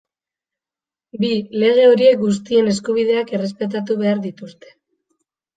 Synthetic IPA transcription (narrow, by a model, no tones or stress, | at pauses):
bile̞ɣ̞e̞o̞ɾie̞k̚ɡust̪ie̞ne̞skuβ̞ið̞e̞ake̞re̞s̬pe̞t̪̬at̪̬uβe̞aɾðit̪ust̪e̞̥